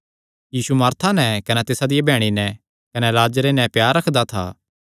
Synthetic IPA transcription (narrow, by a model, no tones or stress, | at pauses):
jiːsumɐɾt̪ʰanɛkɐnɛt̪ɪsad̪ɪjabʱɛːɽ̃inɛ | kɐnɛlaːd͡ʒɾenɛpjaːɾːɐkʰd̪at̪ʰa̰ː